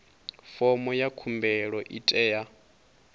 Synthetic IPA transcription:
fɔmɔjakʰumbɛɺɔʔitʼɛːja

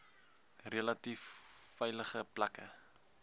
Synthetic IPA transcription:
relɐtifːɛjləχəplɐkə̰

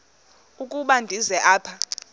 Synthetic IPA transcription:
ukʼuɓandʱizɛʔaːpʰa

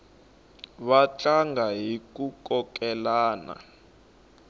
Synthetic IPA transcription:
βat͡ɬʼaŋɡaɦik̬ʼukɔkʼɛlaːna̰

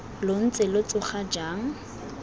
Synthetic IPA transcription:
lon̩t͡sʼɪlʊt͡sʼʊχad͡ʒaːŋ̩

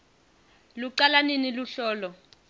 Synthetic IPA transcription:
luǀalaniniluɬɔːlɔ

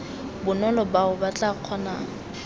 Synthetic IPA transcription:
bʊnɔlɔbaʊbat͡ɬʼaq͡χʰɔnaːŋ̩

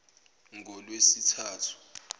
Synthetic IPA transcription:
ŋʱɔlwesitʰaːtʰu̥

